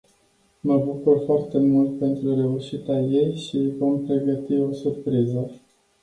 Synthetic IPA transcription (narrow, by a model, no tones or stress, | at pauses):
məbukurfoart̪e̞mult̪̚pe̞nt̪ɾuɾe̞uʃit̪aje̞jʃivo̞mpɾe̞ɡət̪io̞surpɾizə